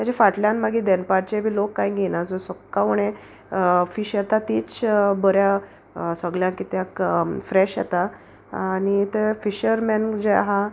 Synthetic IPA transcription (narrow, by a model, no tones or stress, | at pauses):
t̪jat͡ɕafaʈljãnmaɡid̪enpaɾ̚t͡ɕebʱiːlokːaiɡʱinad͡zɔsəkkːaʋuɳẽ | fiːɕjɛt̪at̪it͡sbəɾja | səɡljãŋkit̪jakfɾeɕjɛt̪a | anit̪efiɕəɾmɛnd͡ʑea̰ɦa